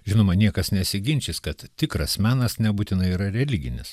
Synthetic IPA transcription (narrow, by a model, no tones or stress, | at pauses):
ʒʲɪnoːmɐnʲiɛkɐsnʲɛsʲɪɡʲɪnʲt͡ʃʲɪskɐt̪t̪ʲɪkɾɐsmʲæːnɐsnʲɛbuːt̪ʲɪnɐɪiːɾɐɾʲɛlʲɪɡʲɪnʲɪs